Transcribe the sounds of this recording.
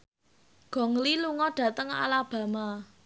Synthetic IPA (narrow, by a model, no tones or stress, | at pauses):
ɡ̥ɔ̤ŋliluŋɔɖ̥ä̤t̪əŋa̰lab̥ä̤ma